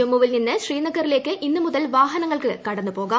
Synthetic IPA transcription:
ɐmːuʋilninːɨɕriːnɐɣɐɾile̞ːkːɨʔinːɨmuðɐlʋaːɦɐnɐŋːɐɭkɨkɐɽɐnːɨpo̞ːɣaː

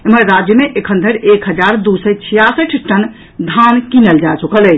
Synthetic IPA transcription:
eməɾɾad͡ʒjəmeʔekʰənd̪ʱəɾekɦəd͡ʒaɾd̪usət͡ʃʰijasəʈʰʈən | d̪ʱankinəld͡ʒat͡ʃukələ

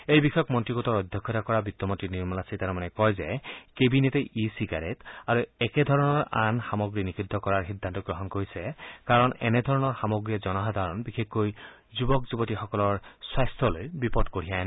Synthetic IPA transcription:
ejbixɔkmɔntɹiɡɔtɔɹɔdʱjɔkʰːɔtakɔɹabitːɔmɔntɹiniɹmɔlasitaɾɔmanɛkɔjzɛkebineteʔisiɡaɹetaɹuɛkɛdʱɔɹɔnɔɹanxamɔɡɹinikʰidʱːɔkɔɹaɹxidʱːantɔɡɹɔɦɔnkoɹisɛkaɹɔnɛ̰nɛdʱɔɹɔnɔɹxamɔɡɹiazɔnɔɦad̪ʱaɹɔnbixʰekːoj | zubɔkzubɔtixɔkɔlɔɹswajstʰɔlojbipɔdkoɹ̤ijan

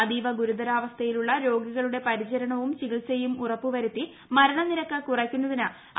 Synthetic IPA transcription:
ɐd̪iːʋɐɡuɾud̪ɐɾaːʋɐst̪ʰɐjiluɭːɐɾo̞ːɡiɣɐɭuɽe̞pɐɾit͡ɕɐɾɐɳɐʋumt͡ɕiɣiɭsejumurɐpːuʋɐɾut̪ːi | mɐɾɐɳɐniɾɐkːɐkurɐkʲːunːɐðinɨ

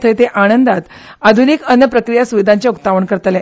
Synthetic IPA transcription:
t̪ʰəjt̪eʔaɽ̃ənd̪at̪ad̪ʱunikənːəpɾəkɾijasuʋid̪ʱaɲt͡ɕjaut̪ːaʋəɳkəɾt̪lɛ

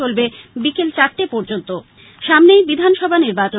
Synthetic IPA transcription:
olbebikelt͡ɕaɾʈepɔɾd͡ʑont̪o | ʃamnejbid̪ʱanʃɔbʱaniɾbat͡ɕo

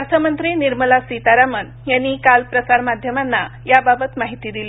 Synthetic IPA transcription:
at̪ʰəmənt̪ɾiniɾməlasit̪aɾamən | janːikalpɾəsaɾmad̪ʱjəmanːajababət̪maɦit̪iːd̪ili

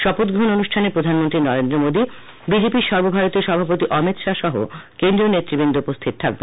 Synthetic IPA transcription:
ʃɔpot̪ɡɾoononuʃʈʰanepɾod̪ʱanmont̪ɾinɔɾend̪ɾomod̪i | bid͡ʑepiɾʃɔɾbobʱaɾot̪ioɾʃɔbʱapot̪iʔɔmit̪ʃaʃɔɦo̰kend̪ɾionet̪ːɾibend̪oupost̪ʰit̪̚ʰa̰k̚be

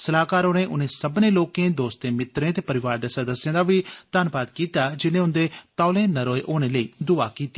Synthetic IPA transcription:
səlaːkaːɾoːnẽːʔʊnẽːsəbnẽːloːkẽːd̪oːst̪ẽːmɪt̪ɾẽːt̪eːpəɾɪʋaːɾd̪eːsəd̪əsːjãːd̪aːʋiːt̪aːnpaːd̪kiːt̪aːd͡ʒɪnẽːʊ̃nd̪eːt̪aːlẽːnəɾoːeʔoːñẽːləiːd̪ʊa̰ːkiːt̪e̥ː

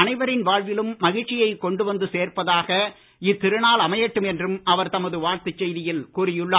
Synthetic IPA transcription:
ɐnɐɪʋɐɾɪnʋaːɻʋɪlɯmːɐɣɪʈt͡ʃːɪjɐɪkɔɳɖɯʋɐnd̪ɯseːrpɐðaːɣɐ | ɪt̪ːɪɾɯnaːlɐmɐjɐʈːɯmɛndrɯmɐʋɐɾt̪ɐmɐðɯʋaːɾt̪ɯt͡ʃːɛjðɪjɪlkuːrɪjɯɭːaː

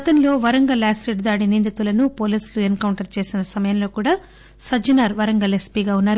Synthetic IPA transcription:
ɡɐt̪ɐnlo̞ːʋɐɾɐŋɡɐlaːsɾeɖd̪aːɽinind̪it̪ʋulɐnupoːliːsluenkɐwɳʈɐɾt͡ʃe̞ːsinɐsɐmɐjɐmlo̞ːkuːɽaː | sɐd͡ʒinaːɾʋɐɾɐŋɡɐlespiːɡaːunːaːɾu

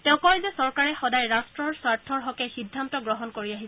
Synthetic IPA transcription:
tɛʊ̃kɔjzɛsɔɹkaɹɛxɔdajɹastɹɔɹswaɹtʰɔɹɦɔkɛxidʱːantɔɡɹɔɦɔnkoɹiaɦis

